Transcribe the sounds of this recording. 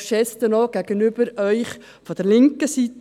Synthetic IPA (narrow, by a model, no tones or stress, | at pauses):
ʃɛst̪ənoɡ̥æɡ̥ənyb̥əɾœʏχ | fɔd̥ɛɾlɪŋkəsit